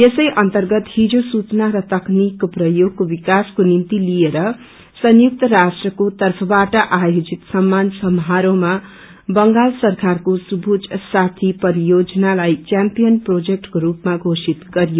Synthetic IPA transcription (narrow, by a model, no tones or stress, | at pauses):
jesʌjʔʌnt̪ʌrɡʌt̪hid͡zosut͡snaɾʌt̪ʌknikprʌjoɡ̚kobikaskonint̪ilieɾʌ | sʌnjuk̚t̪ʌɾasʈrʌkot̪ʌrpʰʌbaʈʌʔajod͡zit̪sʌmːansʌmɦaɾõma | bʌŋɡalsʌrkarkosubʱud͡zsat̪ʰipʌɾijod͡zʌnalajt͡ʃjampijʌnprod͡zek̚ʈkoɾupmaɡʱosit̪ɡʌɾijo